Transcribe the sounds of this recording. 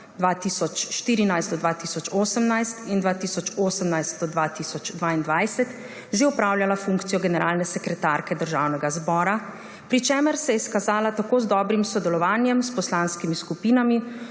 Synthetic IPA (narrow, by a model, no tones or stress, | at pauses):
d̪ʋaːt̪isɔt͡ʃʃt̪iːɾinajszt̪ɔd̪ʋaːt̪iːsɔt͡ʃoːsəmnajst̪ind̪ʋaːt̪isɔt͡ʃoːsəmnajst̪̚d̪ɔd̪ʋaːt̪isɔt͡ʃd̪ʋaːind̪ʋajsɛt̪ | ʒeupɾawljalafuŋkt̪sijɔɡɛnɛɾʔaːlnɛsɛkɾɛt̪aɾkɛd̪əɾʒaːwnɛɡazbɔːɾa | pɾit͡ʃɛːməɾsɛjɛskazaːlat̪akoːzd̪ɔːbɾimsɔd̪ɛlɔʋaːnjɛmspɔslanskimiskupiːnami